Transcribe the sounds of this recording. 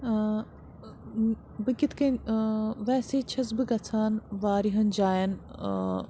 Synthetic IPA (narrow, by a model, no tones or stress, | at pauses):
bɨkit̪ʰkɐ | ʋɛːseːt͡ʃʰɐs̬bɨɡɐt͡sʰaːnʋaːɾiɦɐnd͡ʒaːjɐn